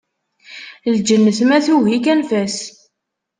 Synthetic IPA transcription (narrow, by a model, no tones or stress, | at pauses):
ld͡ʒənːəθmæθuvikænfæs